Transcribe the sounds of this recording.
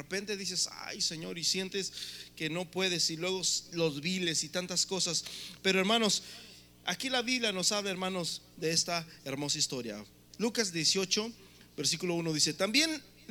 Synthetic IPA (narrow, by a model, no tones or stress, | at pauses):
epe̞nt̪e̞ðis̬e̞sa̰jse̞ɲo̞ɾisje̞nt̪e̞ske̞no̞pwe̞ðe̞silwe̞ɣolo̞zβile̞sit̪ant̪asko̞saspe̞ɾo̞e̞ɾmãno̞s | a̰kilaβiβljano̞saβlae̞ɾmãno̞z | ðeest̪aeɾmo̞saist̪o̞ɾja̰ | lukazðje̞sjo̞t͡ʃo̞ | be̞ɾsikulo̞uno̞ðise̞t̪ambje̞n